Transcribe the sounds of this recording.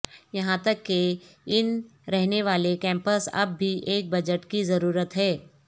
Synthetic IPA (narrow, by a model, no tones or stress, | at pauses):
jɐɦãt̪ɐkːeɪnɾɛɦneʋaːlekɛ̃ːmpəsɐ̰bːiʔeːk̚bɐd͡ʒəʈkizɐɾuːɾət̪ɦɛː